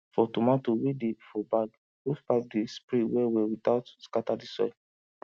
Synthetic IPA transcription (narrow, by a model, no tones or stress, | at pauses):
fɔtumatowidefɔbaɡ | ufpap̚dispɹĩwɛwɛwitaʊtskatadisɔ̰